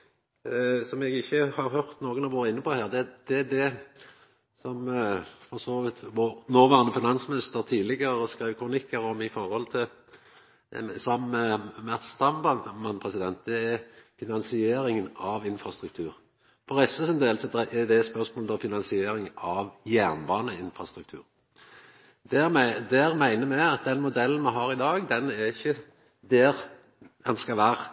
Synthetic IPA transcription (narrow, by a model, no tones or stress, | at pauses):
sɔmɛɡɪçːəhɑɾhœʁt̪noːɡənɑʋoːɾəɪnːəpɔhæːʁd̪ɛd̪̥ɛæd̪ɛ | sɔmfɔsoːʋɪt̪ʋoːnoːʋæːʁənəfɪnɑnsmɪnɪst̪əʁt̪ʰiːlɪɡəʁəskɾeːʋkʰɾʊnɪkːəɾɔmɪfɔɾhɔlt̪ʰɪl | sɑmːəmæt̪st̪ɑmbɑmɑnpʰʁɛsɪd̪ɛnt̪̚d̪ɛæfɪnɑnsɪeːɾɪŋənɑʋɪnfɾɑst̪ɾʉk̚t̪ʰʉːɾ | fɔɾɛst̪əsɛnd̪eːlsɛt̪ːəɛd̪ɛspœʁsmoːld̪ɔfɪnɑnsɪeːɾɪŋɑʋjæːʁnbɑːnəɪnfɾɑst̪ɾʉk̚t̪ʰʉ̰ːɾ | d̪æd̪æːɾmæɪnəmɛɪɑt̪̚d̪ɛnmʊd̪ɛlːn̩mɛɦɑɾɪd̪ɑːɡd̪ɛnæɾɪçːə | d̪æʁ | ɛnskɑlʋæːʁə